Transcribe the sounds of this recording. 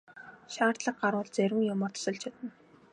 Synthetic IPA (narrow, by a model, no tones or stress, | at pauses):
ʃaːr̥t̪ɮə̆q̚ɢaɾʊːɮt͡sæɾʲɪ̆ŋjʊmɔːrt̪ʰɔ̥sə̆ɮt͡ɕʰat̪ə̆n